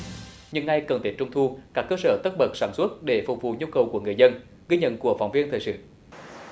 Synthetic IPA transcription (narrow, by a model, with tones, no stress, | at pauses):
ɲɨ˧ŋːa˧jkə˨˩nt̪i˨˦˥t͡ɕʊ˧ŋ͡mt̪ʰu˧kaː˦˥kːəː˧səː˧˩t̪ə˦˥t̚ɓə˨˩t̚saː˧˩nswə˦˥t̚ɗe˧˩fʊ˨˩k͡p̚vṵ˧˨ɲu˧kə˨˩wku˧˩əŋɨ˨˩əjzə˧n | ɣi˧ɲə̰˧˨nku˧˩əfa̰˧˩wŋ͡mvi˧ənt̪ʰəː˨˩jsɨ̰˧˨